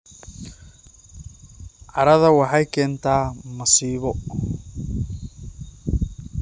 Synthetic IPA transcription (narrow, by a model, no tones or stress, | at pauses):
ʕɑɾɐðɐwɑħɑjkʰɛːnt̪ʰaːmɐsiːβɔ